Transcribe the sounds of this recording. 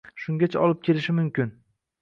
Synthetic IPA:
ʃʊŋɡʲat͡ʃʰaɒlˠɪp̚kʲʰelɪʃɪmʊmkʲɪn

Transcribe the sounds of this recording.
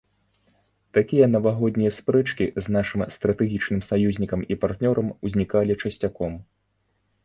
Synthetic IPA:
t̪akʲijɐnɐvaɣɔd̪nʲijɐspɾɛt͡ʂkʲiznaʂɨmst̪ɾɐt̪ɛɣʲit͡ʂnɨmsajuzʲnʲikɐmipart̪nʲɔɾʔɐmuzʲnʲikalʲit͡ʂɐsʲt͡sʲakɔm

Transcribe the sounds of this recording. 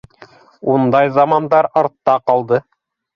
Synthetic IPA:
und̪ɑjzɑmɑnd̪ɑɾɑɾt̪ːɑqɑlˠd̪ɤ

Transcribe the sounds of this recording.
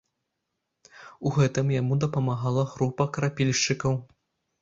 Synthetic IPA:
uɣɛt̪ɨmjamud̪ɐpɐmaɣalˠɐɣɾupɐkɐɾapʲilʲʂt͡ʂɨkɐw

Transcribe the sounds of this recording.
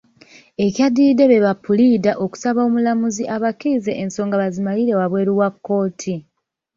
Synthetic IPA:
e̞kjadide̞βe̞βapːulidaʔo̞ku̥saβaomulamuziʔaβakizeʔenso̞ːŋɡaβazimaliɾe̞waβwe̞ːɾuwakːo̞ːtʰi

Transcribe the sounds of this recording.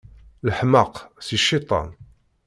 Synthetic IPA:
ləħməqsiʃːit̪ˤɑ̰n

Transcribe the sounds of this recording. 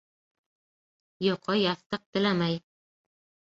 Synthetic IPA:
joqʰɑjɑθt̪ɤq̚t̪ɘ̆lamæj

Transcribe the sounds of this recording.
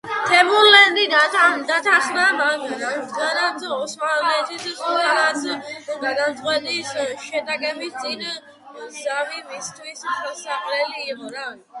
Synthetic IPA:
t̪ʰɛmuɾlɛnd̪id̪at̪ʰad̪at̪ʰaχnamaɡɾad̪ɡanat̪ʰɔsmalɛnt̪ʰissʼɔɾlat̪sʰɡad̪at̪sʼqʼwɛt̪ʼisʃɛt̪ʼakʼɛbist̪sʼin | zavimist̪ʰwissaχʼlɛliːqʼɔɾa

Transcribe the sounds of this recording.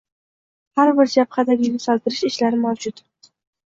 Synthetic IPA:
haɾbɪɾd͡ʒaphad̪aɡʲɪnɪsɒlˠt̪ɪɾɪʃɪʃlaɾɪmawd͡ʒʊt̪

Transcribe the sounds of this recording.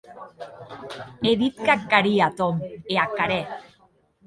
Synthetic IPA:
eðit̪̚kakːaɾiat̪omeakːaɾe

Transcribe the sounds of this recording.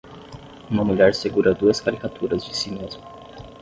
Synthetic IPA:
ũmɐmuʎɛɾseɡuɾɐd̪uɐskaɾikat̪ʰuɾɐzd͡ʒɪsimezmʊ

